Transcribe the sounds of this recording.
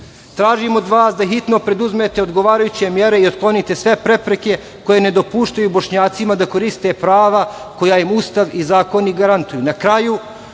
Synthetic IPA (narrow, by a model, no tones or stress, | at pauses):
t̪ɾaːʒimo̞d̪ʋaːsd̪aɦit̪no̞pɾe̞d̪uzmet̪e̞o̞d̪ɡo̞ʋaːɾajut͡ɕe̞mje̞ɾe̞io̞t̪klˠo̞nit̪e̞sʋe̞pɾe̞pɾe̞ke̞ | ko̞je̞ne̞d̪o̞puːʃt̪ajubo̞ʃɲaːt̪simad̪ako̞ɾist̪e̞pɾaːʋa | ko̞jajimust̪aʋizaːko̞niɡaɾant̪ujunakɾaju